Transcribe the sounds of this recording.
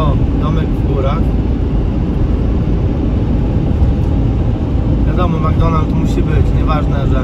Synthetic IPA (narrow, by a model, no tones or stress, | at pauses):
ɔd̪ɔmɛɡvɡuɾax | vʲjad̪ɔmɔmaɡd̪ɔnalt̪muɕibɘt͡ɕɲɛvaʐnɛʐɛ